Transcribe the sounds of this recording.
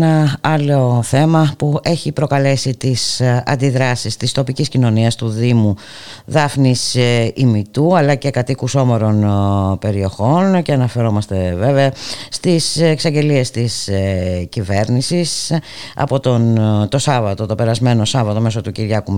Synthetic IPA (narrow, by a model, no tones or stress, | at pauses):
nɐɐlo̞θe̞mɐpue̞çipɾo̞kɐle̞sit̪isɐ̰nd̪iðɾɐsist̪ist̪o̞piciscino̞niɐst̪uðimu | ðɐfnisimit̪uɐlɐce̞kɐt̪ikuso̞mo̞ɾo̞npe̞ɾio̞xo̞nceɐnɐfe̞ɾo̞mɐst̪e̞ve̞veɐst̪iseksɐɲɟe̞lie̞st̪iscive̞ɾnisis | ɐ̰po̞t̪ont̪o̞sɐvɐt̪ot̪o̞pe̞ɾɐzme̞no̞sɐvɐt̪o̞me̞so̞t̪uciɾʝɐkum